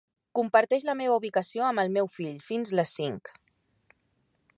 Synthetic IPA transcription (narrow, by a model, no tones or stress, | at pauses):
kumpəɾt̪ɛʃləmeβ̞əuβikəsioəməlˠmewfiʎfinzləsːiŋk